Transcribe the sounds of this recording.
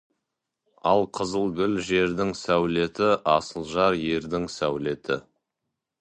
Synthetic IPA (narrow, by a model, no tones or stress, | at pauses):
ɑlˠqʰəzəlˠɡʲʏlʒe̞ɾd̪ɪŋsæwle̞t̪ɪʔɑsəlˠʒɑɾje̞ɾd̪ɪŋsæwle̞t̪ɪ